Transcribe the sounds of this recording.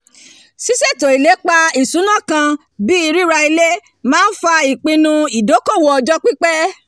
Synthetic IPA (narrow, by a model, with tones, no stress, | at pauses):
si˦se˦˨to˨i˨le˨˦k͡pa˧i˨sũ˨˦nã˦˨kã˧ | bi˦i˧ɾi˦ɾa˧i˧le˦ | mãː˦n̩˦fa˧i˨k͡pĩ˧nũ˧i˨do˨˦ko˦˨wɔ˧ɔ˧d͡ʒɔ˦k͡pi˦k͡pɛ˦